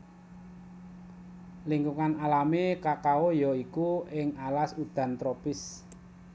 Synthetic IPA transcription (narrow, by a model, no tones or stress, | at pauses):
liŋɡuŋanalamekakaojɔikuɪŋalasud̪̥ä̤nt̪ɾopɪs